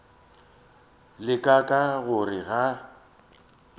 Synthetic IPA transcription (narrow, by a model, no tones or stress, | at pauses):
lɪkʼakʼaɣʊrɪɣa